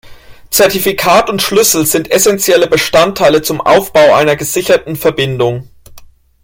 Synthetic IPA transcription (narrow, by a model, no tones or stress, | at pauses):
t͡sɛɐtifikʰaːtʊntʃlʏsl̩zɪntɛsɛnt͡sjɛləbəʃtantʰːaɪlət͡sʊmʔa̰ʊfb̥aʊʔa̰ɪnɐɡəzɪçɐtn̩fɛɐbɪndʊŋ